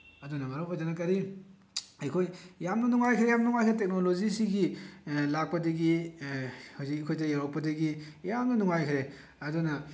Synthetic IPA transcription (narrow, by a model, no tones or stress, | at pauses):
ɐdunɐmɐɾapadanɐkɐɾi | ɐjkʰojjamnɐnuŋajkʰɾejamnɐnuŋajkʰɾetek̚nolozisiɡilak̚pɐdɐɡi | hozik̚kʰojtɐjaɾɔk̚pɐdɐɡijamnɐnuŋajkʰɾe | ɐdunɐ